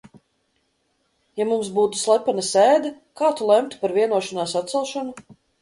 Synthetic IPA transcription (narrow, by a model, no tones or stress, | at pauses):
jamums̬buːt̪u̥slˠɛpanɐsɛːd̪ɛ | kaːt̪ulˠɛmt̪u̥paɾviɛnuɔʃanaːsat̪t̪sɛlˠʃanu